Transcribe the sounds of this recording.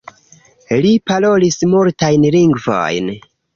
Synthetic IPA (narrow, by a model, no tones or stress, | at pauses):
lipalo̞lismultajnliŋɡvo̰jn